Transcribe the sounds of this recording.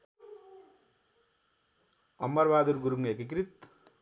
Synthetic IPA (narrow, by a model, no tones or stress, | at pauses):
ɐmːɐɾʋaːd̪uɾɡuɾuŋekik̬ɾit̪̚